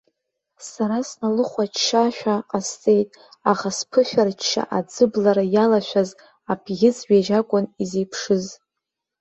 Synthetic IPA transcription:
saɾasnalɨχʷat͡ʃt͡ʃːaʃᶣaqʼast͡sʼe̞jtʼ | aχaspʰɨʃᶣart͡ʃt͡ʃʰːa̰ʔad͡zɨblaɾajalaʃʷᶣaz | apʰɡʲɪt͡sɥᶣeʒakʷʼʊnize̞jpʰʂɨz

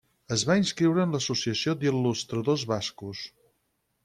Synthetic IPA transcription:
əzβainskɾiwɾəːnləsusiəsiod̪ilːust̪ɾəðozβaskus

